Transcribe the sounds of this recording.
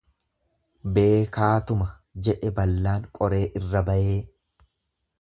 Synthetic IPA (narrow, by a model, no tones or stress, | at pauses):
be̞ːkaːt̪ʊmɐ | d͡ʒɛʔɛbɐlːaːŋkʼɔɾe̞ːʔɪrːɐbɐʔeː